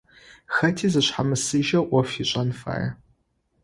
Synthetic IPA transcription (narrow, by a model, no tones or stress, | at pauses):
xɐtʰiːzɨɕħamɨsɨʒɐʔʷɔfiɕʼɐnfa̰ːjɐ̰